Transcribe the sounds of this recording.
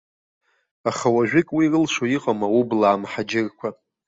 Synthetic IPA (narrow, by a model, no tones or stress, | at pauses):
aχawaʒᶣɪkʼwirɨlʂʷoiqʼamawublaːmħad͡ʒɪrkʷʰa